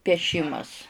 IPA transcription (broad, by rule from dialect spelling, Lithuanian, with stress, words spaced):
pʲiɛˈʃʲɪmɐs